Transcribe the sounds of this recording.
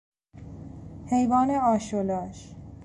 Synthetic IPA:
hejvɒːneɒːʃolɒːʃ

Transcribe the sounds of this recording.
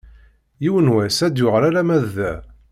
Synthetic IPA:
jiwənwæsæd̪jʊʁɾaɾæmæðːæ

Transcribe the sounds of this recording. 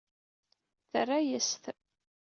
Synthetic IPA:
θərːajəsθ

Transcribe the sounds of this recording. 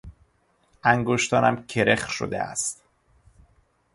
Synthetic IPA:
æŋɡoʃt̪ɒːnæmcʰe̞ɾeχʃo̰d̪ḛæ̰st̪

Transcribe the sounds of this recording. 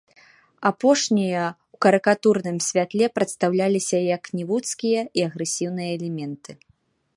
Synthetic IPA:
apɔʂnʲijɐ | wkɐɾɨkat̪urnɨmsʲvʲat̪lʲɛpɾɐt̪st̪awlʲalʲisʲɐjɐknʲivut̪skʲijɐiɐɣɾɛsʲiwnɨjɐːlʲɛmʲɛnt̪ɨ

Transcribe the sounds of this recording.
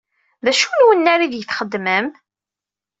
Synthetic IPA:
ðæʃunwənːæɾiðjəθχəd̪ːməm

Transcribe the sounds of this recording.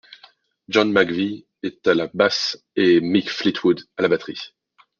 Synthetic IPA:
ʒɔnmaɡvi | et̪alabas | emikflit̪ʰwud̪alabat̪χi

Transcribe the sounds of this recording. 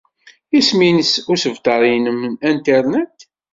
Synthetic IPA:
isminəsʊɾsəvt̪ɑɾˤinəmnænt̪ɛɾnet̪

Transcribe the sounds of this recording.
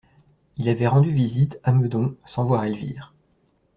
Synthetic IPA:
ilavɛʁɑ̃d̪yvizit̪aməd̪ɔ̃sɑ̃vwaʁɛlvḭːʁ

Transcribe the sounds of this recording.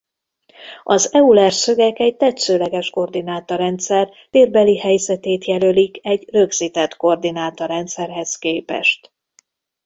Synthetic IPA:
ɒzɛulɛrsø̞ɡɛkɛɟ̚t̪ɛt̪søːlɛɡɛʃko̞rd̪inaːt̪ɒɾɛnt̪sɛr | t̪eːrbɛlihɛjzɛt̪eːt̪jɛlølikɛɟrø̞ɡz̥it̪ɛt̪ko̞rd̪inaːt̪ɒɾɛnt̪sɛrɦɛskeːpɛ̰ʃt̪

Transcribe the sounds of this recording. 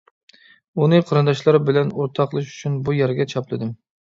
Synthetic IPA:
unɨqʰɑɾɨnd̪ɑʃlˠɑɾbɪlɛnoɾt̪ʰɑqʰlˠɨʃy̥t͡ʃʰynbujæɾɡʲɛt͡ʃʰɑplˠɨd̪ɨm

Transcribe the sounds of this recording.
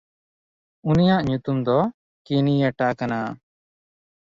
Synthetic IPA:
unijaʔɲut̪umd̪ɔ | kinijaʈakana

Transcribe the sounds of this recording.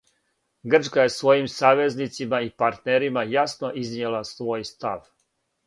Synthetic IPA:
ɡr̩t͡ʃkaje̞sʋo̞jimsaːʋe̞znit̪simaipaɾt̪neɾimajasnoʔiznijelˠasʋo̞ːjst̪aʋ

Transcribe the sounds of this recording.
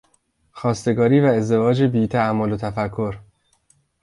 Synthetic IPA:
xɒːst̪e̞ɡɒːɾiːvæe̞zd̪e̞vɒːd͡ʒebiːt̪ʰææmːolot̪ʰæfækʰːo̞ɾ

